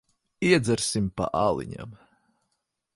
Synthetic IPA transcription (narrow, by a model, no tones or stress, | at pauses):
iɛd̪zɛɾsimpa̰ʔaːlˠḭɲa̰m